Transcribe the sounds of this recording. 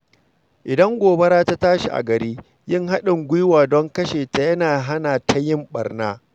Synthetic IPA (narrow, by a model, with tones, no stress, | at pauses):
ʔɪ˨dɐ˦ŋɡʷoː˨bɐ˦ɾaː˦ta˦taː˦ʃi˨ʔa̰˨ɡɐ˨ɾiː˦ | jɪ˦˨ŋɦa˦ɗɪ˨ŋɡʷʊ˦jwaː˨dɔ˦ŋkɐ˦ʃeː˨ta˨jɐ˦naː˨ɦa˦naː˨tʰa˦jɪ˦mɓɐ̰˨rnaː˦